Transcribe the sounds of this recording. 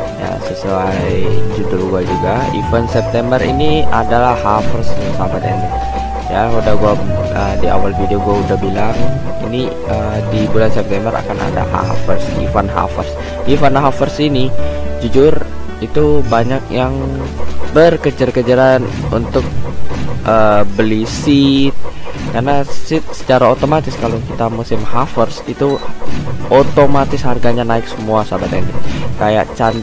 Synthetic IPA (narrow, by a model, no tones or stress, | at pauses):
ja̰səsuajjd͡ʒud͡ʒʊrɡuad͡ʒuɡaḭfansɛp̚t̪ɛmbərḭniadalahafərssamat̪ɛnɛ | jaudahɡua | ədia̰walfideoɡuaudahbilaŋini | ədibulansɛp̚t̪ɛmbəɾa̰kana̰da̰ha̰fərsḭfanɦa̰fərs | ifanɦafərsinid͡ʒud͡ʒʊrit̪ubaɲakjaŋ | bərkəd͡ʒərkəd͡ʒəɾanṵnt̪ʊk̚ʔəbəlisɪt̪̚karnassɪt̪̚sə̥t͡ʃaɾaot̪omat̪ɪskalokit̪amusɪmhafərsit̪u | ʔot̪omat̪ɪsharɡaɲanaɪksəmuasabat̪ɛndikaja̰ʔt͡ʃan